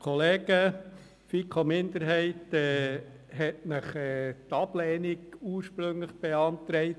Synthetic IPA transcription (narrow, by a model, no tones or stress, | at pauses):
kʰɔleːɡə | fikʰomɪnd̪əɾɦɛɪtɛː | hɛtnəχɛt̪ɑblɛːniɡuːɾʃpɾɵŋləχb̥eɑntɾɛɪt